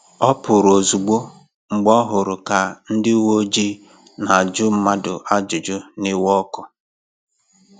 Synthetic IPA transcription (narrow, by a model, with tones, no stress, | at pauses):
ɔ˦pʊ˨ɾo˨zu˨ɡ͡bo˦ | ŋ͡m̩˨ɡ͡bɔ˦ɦʊ˨ɾʊ˨ka˨n̩˦dɪ˦wo˦d͡ʒi˦ | na˨a˨d͡ʒʊ˦m̩˦ma˦dʊ˨ʔa˦d͡ʒʊ˨d͡ʒʊ˦nɪ˦wɔ˦kʊ˨